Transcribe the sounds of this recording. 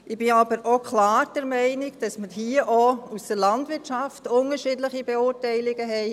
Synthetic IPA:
ʔɪb̥ɪabəɾʔokʰlaːd̥ɛɾmɛɪnɪɡd̥ɑsməhiːəʔousd̥əɾlɑndʋɪɾtʃɑftʊnəɾʃidləχibeʊːɾtɛɪlɪɡəɦɛɪ

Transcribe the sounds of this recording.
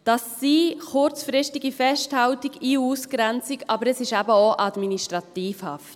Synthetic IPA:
d̥ɑsːiχʊɾt͡sfɾɪstiɡifɛsthɑltiɡiuːskɾɛnt͡siɡɑbəɾəsɪʃæbəoʔɑdminiʃtʁɑtiːfhɑ̰ft

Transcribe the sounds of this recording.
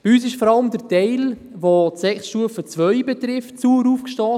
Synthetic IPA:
biyːs̬ɪʃfɔɾɑləmd̪əɾtɛɪl | votsɛksʃuəfət͡sʋœʏbɛtɾɪftt͡suəɾuːfkʃtɔː

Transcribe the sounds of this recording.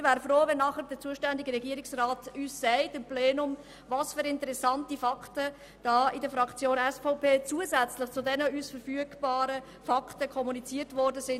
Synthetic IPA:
ɪvʋæːɾəfɾoːvɛnːɑχəɾdət͡suəʃtɛndɪɡəɾɛɡiːəɾɪksraːtyːsːɛɪtɪmpleːnʊm | vɑːsføːɾɪntəɾɛsɑntifɑktə | d̥ɑːidəfɾɑkt͡sjoːnɛsfɔʊpʰeːt͡suəzɛt͡slɪχt͡sʊdɛnəyːsfəɾfyəɡbɑːɾə | fɑkʰtəkʰɔmunit͡siːətʋɔɾdəzɪn

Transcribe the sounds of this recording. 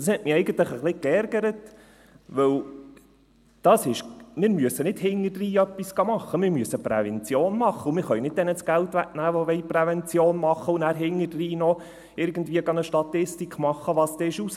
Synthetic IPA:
d̥ɑshɛtmɪɛɪɡən̩t̪ləχəχlɪkɛɾɡəɾət | ʋɵw | d̥ɑsɪʃmɪːɾmyəsːənɪd̥hɪŋəd̥riːœpːisɡ̥ɑmɑχːəmɪɾmyəsːəpɾɛvɛnt͡sjoːnmɑχːəʊmɪɾχœɥnɪd̚d̪ɛnət͡sɡ̥ælt̪ʋæknæːʋɔʋɛɪprɛʋɛnt͡sjoːnmɑχːəunæːɾɦɪŋːədriːnɔ | ɪɾɡ̥ən̩dʋiːəɡɑnəʃtɑt̪ɪstikʰmɑχːəʋɑst̪ɛɪʃus

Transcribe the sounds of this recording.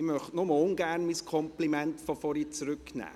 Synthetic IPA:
ɪmœχtnʊməʊnɡæɾnmiskʰɔmplimɛntfɔfɔɾit͡sɾʏknæ̰ː

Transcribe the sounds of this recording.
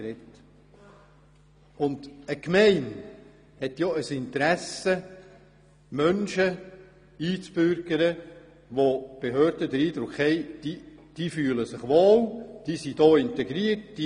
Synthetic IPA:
ɾɛt | ʊndəkmɛɪn | hɛtjoəsɪnt̪əɾæsə | mœnʃə | iːt͡sb̥ʏɾɡ̥əɾə | ʋob̥eɦøːɾdədəɾiːd̪ɾʊkhɛɪd̥iːd̥iːfyːləsɪχʋoːld̥iːsid̥ɔːɪntɛɡɾiət̚d̥i

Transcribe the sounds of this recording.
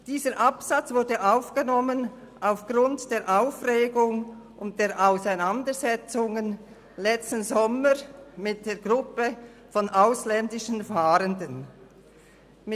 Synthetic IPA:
d̥iːzəɾʔapsat͡sv̥ʊɐdəʔaʊfɡ̥ənɔmən | ʔaʊfɡ̥ʁʊntd̥eːɾʔaʊfreːɡʊŋ | ʊnt̚d̥eːɾʔaʊsaɪnandəzɛt͡sʊŋən | lɛt͡stn̩zɔməmɪt̚d̥eːɹɡʁʊpəfɔnʔaʊslɛndɪʃən̩faːɾəndən | mɪ

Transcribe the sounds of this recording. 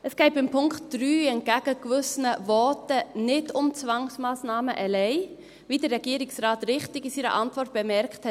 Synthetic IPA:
ʔəsɡ̥ɛɪbɪmpʰʊŋktd̥ɾyːɛnt̚ɡ̥æɡ̥əkvʏsənəvɔtənɪdʊmt͡svɑŋsmaːsnɑːməʔɛlɛɪ | vidəɾɛɡ̥iːəɾɪksraːtɾɪχtɪɡisiːɾə̰ʔɑntvɔrt̚b̥ɛmɛɾkthɛt

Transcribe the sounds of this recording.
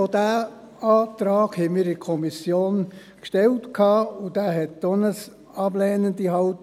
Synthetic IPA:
od̥æː | ɑːt̪ɾɑːɡ̥hɛmiːɾɪkʰɔmisjoːn | kʃtɛltkʰɑːʊd̥æːɦɛtːonəs | ɑblɛːnəndiɦɑʊt

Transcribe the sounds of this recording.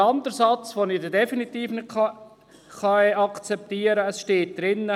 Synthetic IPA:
ɑndəɾsɑt͡svonɪdədɛfinit̪iːfnɪtɑ | χɑɛɑkt͡sɛp̚t̪iːəɾəəsʃteːt̚d̥ɾɪnːə

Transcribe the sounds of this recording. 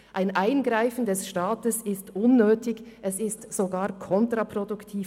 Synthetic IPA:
ʔaɪnʔaɪnɡʁaɪfn̩dɛsʃtaːtəsɪstʔʊnːøːtɪçʔɛsɪstz̥oɡaːɾkʰɔntʁapʁoduktʰiː

